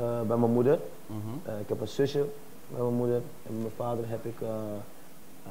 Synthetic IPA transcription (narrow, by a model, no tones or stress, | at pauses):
bɛjmənmudər | ɪkɦɛpənsɵsə | bɛjmənmudər | ɛnmənfaːdərɦɛpɪkə